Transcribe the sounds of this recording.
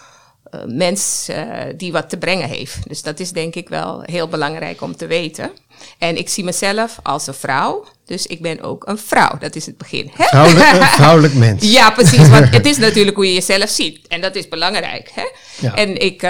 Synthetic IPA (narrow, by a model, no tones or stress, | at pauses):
mɛns | diʋɔtːəbrɪŋəɦḛːftdøsd̥ɔtɪsdɛŋkɪkʋɛ̰lˠɦeːlˠbəlɑŋrɛ̰jkɔmtəʋeːtʰə̰ | ʔɛnɪksiməsɛləfɔ̰lˠsənfra̰w | d̥øsɪk̚bɪno̰ːkʰənfra̰wdɔtɪsəd̚bəxɪ̰nhɛrawləkmɛnsjaprəsis̬ʋɔətɪsnatyːləkɦujəjəzɛləfsitɛndɔtɪsbəlɑŋrɛ̰jkhɛ̰ | ʔɛnɪk